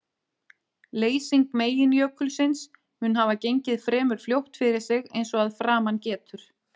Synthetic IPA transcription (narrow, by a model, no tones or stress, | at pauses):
leːjsiŋkmeːjɪnjœkːʏlsɪns | hʏnɦavacejɲcɪðfɾɛːmʏɾ̥fljowht̪fɪɾɪɾ̥sɪɣejnsɔɣaðfɾaːmancɛːt̪ʏɾ̥